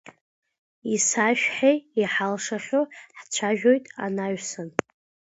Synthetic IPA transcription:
isaʃᶣħejiħalʂaχʲoħt͡ʃʷʰaʒᶣojtʼa̰naɥsɨn

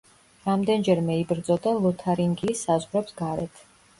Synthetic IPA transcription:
ɾamd̪ɛnd͡ʒɛɾmɛibɾd̪zʼɔd̪alˠɔt̪ʰaɾiŋɡiːsazʁɾɛpsɡaɾɛt̪ʰ

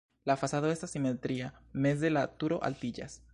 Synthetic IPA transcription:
lafasaðoest̪asimet̪ɾiamez̬d̪elat̪uɾoʔa̰lt̪id͡ʒa̰s

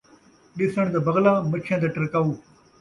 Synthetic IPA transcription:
ɗɪsəɽ̃d̪ɐbɐɣlaːmɐkʰjãːd̪eʈɪɾkaːuː

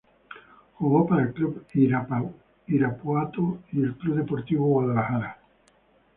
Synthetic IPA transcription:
xuɣopaɾaelkluβiɾa | iɾapwat̪oielkluβðepoɾt̪iβoɣwaðalaxaɾa

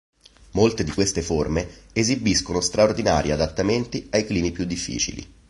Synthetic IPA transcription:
molt̪ed̪ikwest̪eformeezibiskonost̪ɾaord̪ina̰ːɾʔiad̪at̪ːament̪iajkliːmipjud̪ːifːḭːt͡ʃḭlḭ

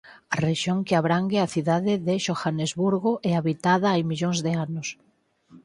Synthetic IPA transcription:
areʃjoŋkeaβɾaŋɡeaθiðaðɪðeʃoxanezβuɾɣoʔɛaβit̪aðaajmiʎoŋzðeanos

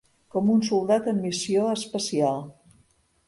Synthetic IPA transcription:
kɔmunsulˠd̪at̪əmːisioəspəsialˠ

